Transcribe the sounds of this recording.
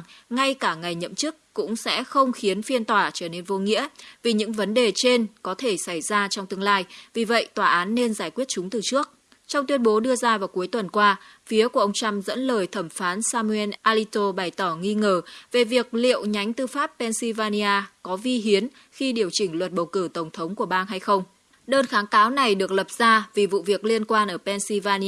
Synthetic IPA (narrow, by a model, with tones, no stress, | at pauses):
ŋa˧jkaː˧˩ŋa˨˩jɲə̰˧˨mt͡ɕɨ˦˥k̚ːkʊ̰˧˥ŋ͡msɛ̰˧˥xə˧wŋ͡mxi˨˦ənfi˧ənt̪waː˧˩t͡ɕəː˧˩ne˧nvo˧ŋḭ˧˥əvi˨˩ɲɨ̰˧˥ŋvə˨˦nɗe˨˩t͡ɕe˧nkɔ˨˦t̪ʰe˧˩sa˧˩jzaː˧t͡ɕɔ˧wŋ͡mt̪ɨ˧əŋlaː˧jvi˨˩və̰˧˨jt̪waː˧˨˩ʔaː˨˦nːe˧nzaː˧˩jkwi˦˥ət̚t͡ɕʊ˨˦ŋ͡mt̪ɨ˨˩t͡ɕɨ˦˥ək̚ | t͡ɕɔ˧wŋ͡mt̪wi˧ənɓo˨˦ɗɨ˧əzaː˧vaː˨˩wku˨˦jt̪wə˨˩nkwaː˧fi˨˦əku˧˩əʔə˧wŋ͡mt͡ɕa˧mzə̰˧˥nləː˨˩jt̪ʰə˧˩mfaː˨˦nsaː˧mu˧ʔɛ˧nʔaː˧li˧t̪o˧ɓaː˨˩jt̪ɔ˧˩ŋi˧ŋəː˨˩ve˨˩vi˨˩ək̚lḭ˧˨əwɲa˨˦jŋ̟t̪ɨ˧faː˦˥pːɛ˧nsi˧vaː˧ni˧aː˧kɔ˨˦vi˧ɦi˨˦ən | xi˧ɗi˨˩əwt͡ɕï˧˩ŋ̟lwə˨˩t̚ɓə˨˩wkɨ˧˩t̪ə˧˩wŋ͡mt̪ʰə˨˦wŋ͡mku˧˩əɓaː˧nɦa˧jxə˧wŋ͡m | ɗəː˧nxaː˨˦ŋkaː˨˦wna˨˩jɗɨ˨˩ək̚lə˨˩p̚z̥aː˧vi˨˩vṵ˧˨vi˨˩ək̚li˧ənkwaː˧nʔəː˧˩pɛ˧nsi˧vaː˧ni˧